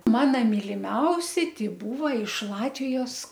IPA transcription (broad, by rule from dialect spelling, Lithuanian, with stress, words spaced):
ˈmɑːnɐ mʲɪlʲɪˈmʲɛʊsʲɪ tʲɪ ˈbuːʋɐ ɪʃ ˈlˠɑːtʲʋʲɪjoːs